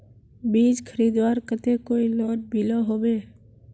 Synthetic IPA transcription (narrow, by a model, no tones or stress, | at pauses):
biːd͡ʒkʰəɾiːd̪ʋaːɾkət̪ekoːiloːʈ̚bʱilɔɦoːʋeː